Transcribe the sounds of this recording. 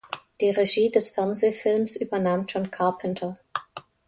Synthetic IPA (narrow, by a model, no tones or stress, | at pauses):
d̥iːʁeʒiːdɛsfɛɐnzeːfɪlmsʔyːbɐnaːmd͡ʒɔnkʰaɐpʰəntʰɐ